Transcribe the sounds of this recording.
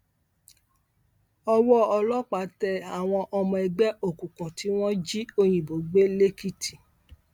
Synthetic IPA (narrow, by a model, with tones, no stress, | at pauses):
ɔ˧wɔ˦ɔ˧lɔ˦k͡pa˨˦tɛ˧˨a˨w̃ɔ̃˧ʔɔ˧mɔ̃˧ɛ˧ɡ͡bɛ˦o˦˨kũ˨kũ˨ti˨˦w̃ɔ̃˦d͡ʒi˦o˧j̃ĩ˨bo˨ɡ͡be˦le˦ki˦ti˨